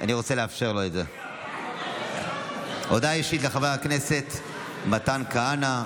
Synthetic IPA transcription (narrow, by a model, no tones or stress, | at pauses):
ʔa̰niʁo̞t͡seleafʃe̞ʁlo̞etze | ʔod̪aiʃit̬leχaveakne̞se̞t | matankaana